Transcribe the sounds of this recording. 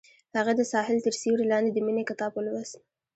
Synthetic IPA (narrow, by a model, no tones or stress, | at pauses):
haɣad̪əsɑhɪlt̪əɾsewɽelɑnd̪ed̪əminekat̪ɑpəlwas